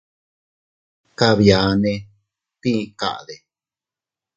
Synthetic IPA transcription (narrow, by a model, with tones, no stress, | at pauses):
ka˧βja˨˦nẽ˧ | t̪ĩ˦˧ka̰˨ʔa˨ðe˨